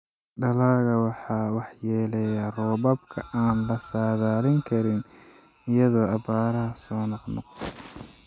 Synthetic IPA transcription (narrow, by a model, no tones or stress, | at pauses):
ɖɐlaːɣɐwɑħɑːwɑħjɛːlɛjarɔːbɐbkʰɐʔaːnlɐsaːðaːlɪŋkʰɐɾɪn | ɪjɐðɔːɑbaːɾɐɦɐsɔːnɑqnɔ̰qt̪ʰɛ